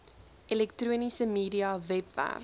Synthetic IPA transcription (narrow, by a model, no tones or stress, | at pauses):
ʔilɛktruənisəmiːɾiɑvɛpvæ̰r